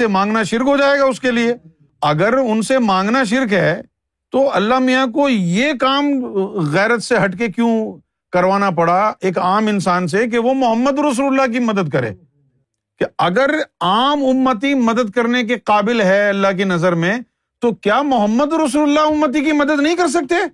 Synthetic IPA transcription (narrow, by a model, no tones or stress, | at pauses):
emãːŋɡnaʃɪɾkɦod͡ʒaːeːɡaʊskelie | ɐɡəɾʊnsemãːŋɡnaʃ̬ɪɾkɦɛː | t̪oɐlːamijak̬ojekaːmɣɛːɾət̪seɦɐʈkekjũ | kɐɾʋaːnap̬ɐɽaeːkaːmɪnsaːns̬ek̬eʋomʊɦəmːəd̪ɾɐs̬uːllːak̬imɐd̪əd̪̚kɐɾḛː | keɐɡəɾaːmʊmːət̪̬imɐd̪əd̪̚kɐɾnek̬eqaːbɪlɦɛɐlːaɦk̬inɐzəɾmẽ | t̪okjaːmʊɦəmːəd̪ɾɐs̬uːləlːaʊmːət̪̬ikimɐd̪əd̪nɐɦĩkɐɾs̬ɐk̚t̪eː